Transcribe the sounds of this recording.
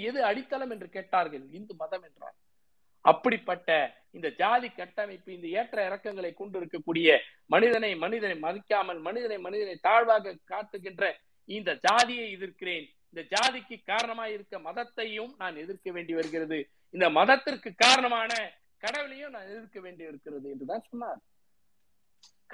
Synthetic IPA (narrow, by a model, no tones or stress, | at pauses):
ɛðɯɐɽɪt̪ːɐlɐmɛndrɯkeːʈːaːɾɣɐɭɪnd̪ɯmɐðɐmɛndra̰ːl | ɐ̰pːɐɽɪpːɐʈːɐ | ɪnd̪ɐd͡ʒaːðikːɐʈːɐmɐɪpːɯɪnd̪ɐeːʈrɐɪɾɐkːɐŋɡɐɭɐɪkːɔɳɖɪɾɯkːɐkːuːɽɪjɐ | mɐnɪðɐnɐɪmɐnɪðɐnɐɪmɐðɪkːaːmɐlmɐnɪðɐnɐɪmɐnɪðɐnɐɪt̪aːɻʋaːɣɐkaːt̪ːɯɣɪndrɐ | ɪnd̪ɐd͡ʒaːðɪjɐɪɛðɪɾkɪreːn | ɪnd̪ɐd͡ʒaːðɪkːɯkːaːɾɐɳɐmaːjɪɾɯkːɐmɐðɐt̪ːɐjɯmnaːnɛðɪɾkɐʋeːɳɖiʋɐɾɯɣɪrɐðɯ | ɪnd̪ɐmɐðɐt̪ːɪrkɯkːaːɾɐɳɐmaːnɐ | kɐɽɐʋɪlɐjɯmnaːnɛðɪɾkɐʋeːɳɖɪɪɾɯkːɪrɐðɯɛndrɯðaːnsɔnːaːl